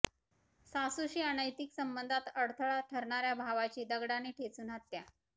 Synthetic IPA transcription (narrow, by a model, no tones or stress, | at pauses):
sasuɕiːanəjt̪iːksəmbənd̪ʱat̪əɽt̪ʰəɭaʈʰəɾɳaɾjabʱaʋat͡ɕiːd̪əɡɽaneʈʰet͡suːnɦat̪ːja